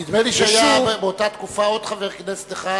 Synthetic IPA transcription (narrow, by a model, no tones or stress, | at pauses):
id̪meliʃeajabebeot̪at̪kufao̞d̪̥χaveʁknese̥t̪eχa